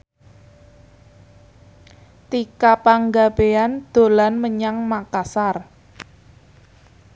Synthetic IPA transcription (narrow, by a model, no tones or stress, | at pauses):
t̪ikapaŋɡab̥eand̪̥o̤lanməɲaŋmakasar